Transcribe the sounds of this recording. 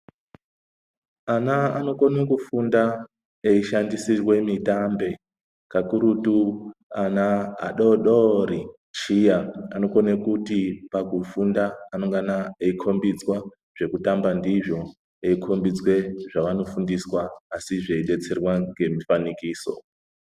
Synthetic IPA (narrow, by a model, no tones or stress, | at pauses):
anaano̞konekufunda | eiʃandisirwe̞mitambe̞ | kakuɾutuana̰ːɗoɗori | t͡ʃijaano̞konekutipakufundaːno̞ŋɡanaeikʰo̞mbid͡zwa | ʐ̥e̞kutambandiʐo̞ | eikʰo̞mbid͡zwe̞ʐaʋano̞fundiswaːsiʐeiɗe̞t͡se̞rwaŋɡe̞mifanikiːso̞̰